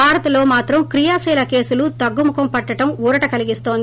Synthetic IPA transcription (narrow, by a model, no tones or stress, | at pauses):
aːɾɐt̪ɐloːmaːt̪ɾɐmkɾɪjaːseːlɐkeːsɯlut̪ɐɡːɯmʊkɐmpɐʈːɐʈːɐmuɾɐʈɐkɐlɪɣɪst̪oːnd̪